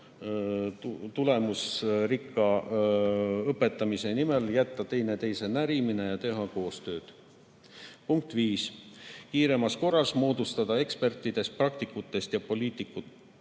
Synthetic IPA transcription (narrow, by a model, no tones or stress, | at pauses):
t̪ule̞musɾikːˑɑ | ɤpːe̞t̪ːˑɑmise̞nime̞ljæt̪ːɑt̪e̞jne̞t̪e̞jse̞næɾiminejɑt̪e̞ɦɑko̞ːst̪ø̞ːd̪̥ | puŋk̚t̪ˑviːskiːɾe̞mɑsko̞rːɑsmo̞ːd̪̥ust̪ɑd̪̥ɑe̞kspe̞rt̪ːˑid̪̥e̞st̪̚prɑk̚t̪ikːˑut̪ːˑe̞st̪jɑpo̞liːt̪ːˑikːˑut̪ːˑ